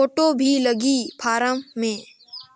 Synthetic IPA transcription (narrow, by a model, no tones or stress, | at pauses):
oːʈobʱiləɡipʰaːɾəmːẽː